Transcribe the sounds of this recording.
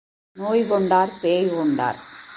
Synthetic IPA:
noːjkɔɳɖaːɾpeːjkɔɳɖa̰ːɾ

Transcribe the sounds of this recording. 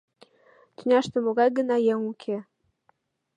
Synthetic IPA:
t̪ynʲɑʃt̪ə̆moɡɑjɡə̆nɑjeŋukʲʰe

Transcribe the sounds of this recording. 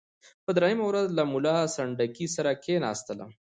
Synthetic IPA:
pəd̪ɾajəmawɾazlamʊlasɐɳɖakisaɾakʰenɑ̰ːst̪əla̰

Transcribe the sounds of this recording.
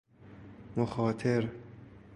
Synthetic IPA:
moxɒːt̪ʰeɾ

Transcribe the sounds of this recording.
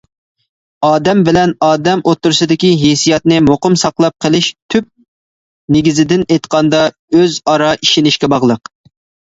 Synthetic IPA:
ɑːd̪ɛmbɪlɛnɑːd̪ɛmʔot̪ːuɾsɨd̪ɪkʲiɦesijɑt̪nɪmoqʊmsɑqlˠɑp̚qʰəlˠɪʃt̪ʰyp̚ | neɡʲizɪd̪ɪnejt̪qʰɑnd̪ɑ | øzɑɾɑʔiʃɪnɪʃkʲɛbɑʁlˠəq

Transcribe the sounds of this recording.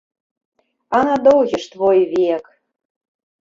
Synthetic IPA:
ɑnɑd̪owʑə̆ʃt̪βojβiek

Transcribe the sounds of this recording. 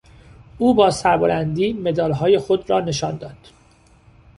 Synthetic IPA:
ʔuːbɒːsæɾbolænd̪iːme̞d̪ɒːlɦɒːje̞xo̞d̪rɒːne̞ʃɒːnd̪ɒːd̪̥

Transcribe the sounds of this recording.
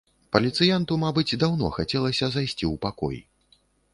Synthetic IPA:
pɐlʲit̪sɨjant̪umabɨd͡zʲd̪awn̪ɔ̰xat͡sʲɛlˠɐsʲɐzajsʲt͡sʲiwpakɔ̰j

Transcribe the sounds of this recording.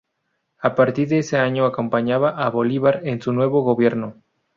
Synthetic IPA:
apaɾt̪iɾðeeseaɲo̞ako̞mpaɲaβaʔaβo̞liβaɾensunwe̞βo̞ɣoβje̞ɾno̞

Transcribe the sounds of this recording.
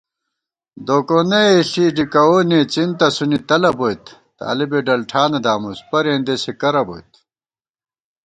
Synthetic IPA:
d̪oːkoneeɬiːɖikɐwoneːt͡sint̪ɐsunit̪ɐlɐbojt̪ | t̪a̰ːlibeɖɐlʈʰaːnɐd̪aːmuspɐɾẽːnd̪esekɐɾɐbo̰jt̪

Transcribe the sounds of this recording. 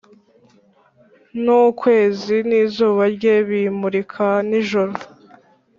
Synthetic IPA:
nukwe̞ːziniːzuːβaɾɟeβimuɾikʰaniʒoɾo

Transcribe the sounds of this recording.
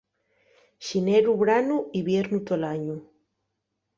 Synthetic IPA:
ʃineɾuβɾanuiβjeɾnut̪olaɲu

